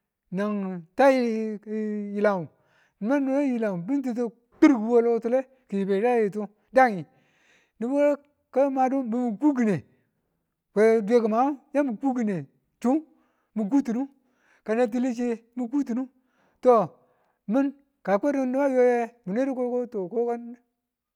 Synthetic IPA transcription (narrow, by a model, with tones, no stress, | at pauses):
na˨ŋta˦ji˦ | ji˨la˨u˨ | n˨ma˦nːu˦je˦ji˨la˨u˨bi˦nt̬i˦t̬i˦ | k͡pi˦ɾɡi˨wo˦lo˦tu˦le˦ | ki˨ji˨be˨ɾa˦ji˨tu˦ | da˦ŋi˨ | ni˨bo˦ | ka˦ma˨du˦mi˨mi˨ku˦ɡi˨ne˨ | we˨de˦ki˨ma˨˦u˦ja˦mu˨ku˦ɡi˨ne˨ | tu˦ | mu˨k̬u˦tu˨nu˦ | ka˨na˦t̬i˦li˦t͡ʃe˦mu˨ku˦tu˨nu˦ | to˦ | mi˦n | ka˨ke˦ɾi˦ni˦ba˦jo˦je˦mi˨ne˦ɾi˦ko˦ko˦to˨ko˦ka˦n˦